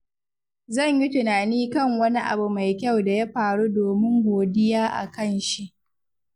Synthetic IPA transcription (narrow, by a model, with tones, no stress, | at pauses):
zɐ˦˨ɲji˦tʊ˨naː˨niː˦kɐ˦˨ŋwɐ˦ni˦ʔa̰˨bu˨ma˨jkʲa˦˨wda˨ja˦ɸaː˨ɽu˦doː˨mɪ˦ŋɡʷoː˨dɪ˦jaː˦ʔa̰˨kɐ˦˨nʃi˦ʔ